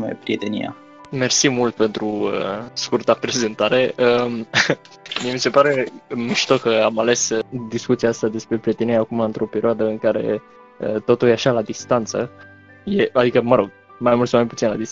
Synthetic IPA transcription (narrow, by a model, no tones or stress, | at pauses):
mḛpɾiet̪enḭa̰ | me̞rsimult̪̚pe̞nt̪ɾuəskurt̪apɾe̞ze̞nt̪aɾe̞əm | mijemise̞paɾe̞miʃt̪o̞kəamale̞sd̪iskut̪siaast̪ad̪e̞spɾe̞pɾijet̪e̞niɾeaːkumaɨnt̪ɾo̞peɾioad̪əɨŋkaɾe̞̰ | ə̰t̪o̞t̪uljeaʃalad̪ist̪ant̪sə̰ | je̞ad̪ikəməɾo̞ɡ̥̚ | majmultsomajput̪inlad̪is